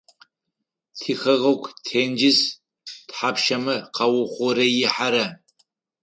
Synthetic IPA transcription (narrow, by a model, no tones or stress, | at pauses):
tʰixɐʁɐkʷʰtʰeːnd͡ʒɪz | tħapʃɐmɐqɑwʊχʷɔɾɐjɪħaɾɐ